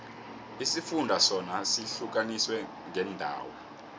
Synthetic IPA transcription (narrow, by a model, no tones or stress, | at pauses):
isifundʱasɔnasiɬuk̬aniswɛ | ŋʱɛndʱa̰ːwɔ